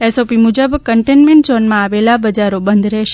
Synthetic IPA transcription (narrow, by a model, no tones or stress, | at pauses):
ɛsopimud͡ʒəbkəɳʈenmɛ̃ɳʈzɔnmãaʋelabəd͡ʒaɾobənd̪ɾɛʃe